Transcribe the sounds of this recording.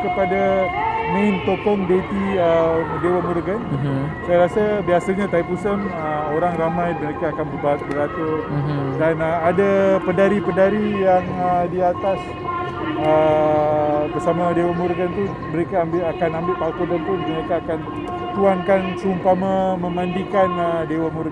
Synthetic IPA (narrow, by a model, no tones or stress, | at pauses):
kəpadamẽnt̪okɔŋdet̪iədewamuɾɡansajaɾasabiasaɲat̪aipusənəoɾaŋramãjməɾekaːkanbərbat̪̚bəɾat̪urdanaadapədaɾipədaɾijaŋədiat̪as | ə | bərsamadewamuɾɡənt̪u | məɾekaambɪakanambɪʔpakodənpʊnməɾekaːkan | t̪uankant͡ʃumpamaməmandikanədewamuɾ